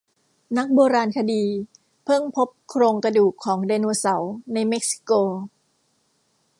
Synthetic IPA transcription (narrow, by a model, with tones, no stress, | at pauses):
na˦˥k̚boː˧ɾaː˧nkʰa˧diː˧ | pʰɤ˥˩ŋpʰo˦˥p̚kʰɾoː˧ŋkɾa˧duː˨˩kʰːɔː˩˦ŋdeː˧nuː˧sa˩˦wna˧jme˦˥k̚si̥˧koː˧